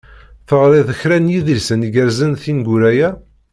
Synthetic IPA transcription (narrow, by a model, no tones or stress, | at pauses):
θəʁɾˤeðəçɾænjiðəlsəniɡəɾzənθinɡuɾæjæ